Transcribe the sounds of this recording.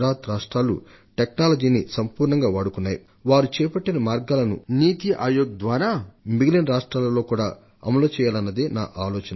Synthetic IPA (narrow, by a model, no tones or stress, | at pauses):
ɾaːt̪ɾaːʂʈɾaːlṵ | ʈeknaːlɐd͡ʒiːnisɐmpuːɾɳɐŋɡaːʋaːɽukunːaːjḭ | ʋaːɾut͡ʃɛːpɐʈːinɐmaːɾɡaːlɐnṵniːt̪iʔaːjoːɡ̚d̪ʋaːɾaːmiɡilɐnɾaːʂʈɾaːlɐlo̞ːkuːɽa̰ː | ɐmɐloːt͡ʃɛːjaːlɐnːɐd̪eːna̰ːʔaːloːt͡ʃɐnɐ